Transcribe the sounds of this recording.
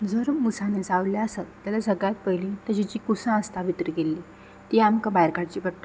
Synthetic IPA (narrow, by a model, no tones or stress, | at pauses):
d͡zəɾmusaned͡zaʋljaəsat̪ːjalasəɡɭat̪̚pəjlit̪əd͡ʑid͡ʑikusãəst̪aʋit̪ɾiɡelːiː | t̪iamkabajɾkaɽt͡ɕiːbəʈʈ̪